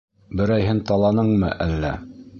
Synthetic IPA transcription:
bɘ̆ɾæjɦɘnt̪ɑlˠɑnɤɴmɤ̰ʔælːæ

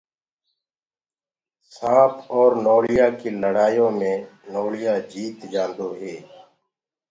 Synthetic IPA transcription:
sãːpʰɔːɾnoːɽɪjaːkiːləɽaːjõːmẽːnoːɽɪjaːd͡ʒiːt̪d͡ʒãːnd̪oːɦeː

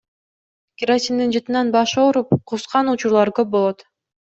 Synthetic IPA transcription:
kʲɪɾat̪ʲind̪ind͡ʒɯt̪ɯnɑnbɑʃoːɾupqʰusqɑnut͡ʃuɾlˠɑɾkøp̚bo̞lˠot̪

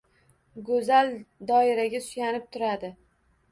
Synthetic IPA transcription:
ɡɵzald̪ɒɪɾaɡʲasʰʊ̥janɪp̚t̪ʰʊɾad̪ɪ

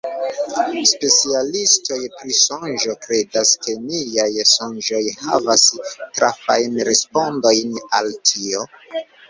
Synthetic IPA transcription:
spe̞t͡sialisto̞jpɾisonʒokɾe̞daskʰe̞niajsonʒo̞jha̰vastɾafajnɾespo̞ndo̞jnaltʰio̞

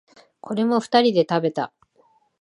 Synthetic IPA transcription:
kʰo̞ɾe̞mo̞ɸɯ̟̥t̪aɾʲid̪e̞t̪abe̞t̪a

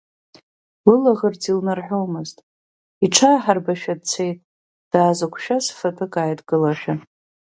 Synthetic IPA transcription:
lɨlaʁərt͡sʰʼilnarħʷᶣowmɨztʼ | iʈ͡ʂʰaːħarbaʃᶣad̚t͡sʰejtʼ | d̥aːzakʷʰʼʃᶣasfapʰɨkʼaːjtʼɡɨlaʃᶣa

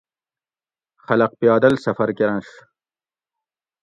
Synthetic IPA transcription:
χɐlɐq̚pijɑːd̪ɐlsɐfɐɾkeɾɐnʂ

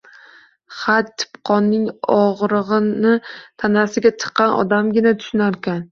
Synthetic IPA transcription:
χat̪ʰːɪ̥pqʰɒnːɪŋɒʁɾɨʁɨnɪt̪ʰanasɪɡʲat͡ʃʰɨ̥qʰːɑnʔɒ̰d̪amɡʲɪnat̪ʰʊ̥ʃɪnaɾkʲʰan

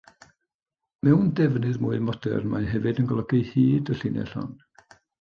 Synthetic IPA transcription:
mɛwndɛvnɨðmuːɨmɔd̥ɛ̰rmajɦɛvɨdənɡɔlˠɔɡɪjhiːdəɬɪnɛ̰ɬɔ̰n

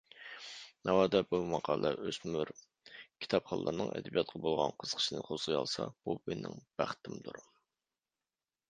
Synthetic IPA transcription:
nʔɑwɑːd̪ɛbumɑqʰɑːlˠɛʔøsmyɾ | kʲʰi̥t̪ʰɑpχɑlːˠə̰ɾnɨ̰ŋɛ̰d̪ɛbijɑt̪̚qʰɑbolˠʁɑnqʰəz̥qʰə̥ʃinɨqʰozəjɑ̰lˠsɑ̰b̥umenɪ̰ŋb̥æχt̪ʰɪmd̪uɾ

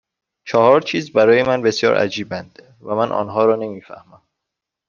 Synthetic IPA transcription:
t͡ʃʰɒhɒːɾt͡ʃʰiːzbæɾɒːje̞mænbe̞sjɒ̰ːɾʔæ̰d͡ʒiːbænd̪̥ | væmænʔɒ̰ːnɦɒːɾɒːne̞miːfæ̰hmæm

